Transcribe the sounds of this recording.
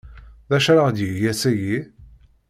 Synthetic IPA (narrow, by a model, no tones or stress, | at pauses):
ðæʃɾaʁd̪jəjæsæji